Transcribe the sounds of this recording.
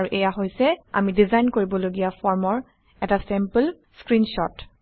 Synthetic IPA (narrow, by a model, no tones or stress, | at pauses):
ɹuʔɛjaɦojsɛa̰midizajnkoɹibɔloɡijafʰɔɹmɔɹ | ɛtasɛmpəl | skɹinʃɔt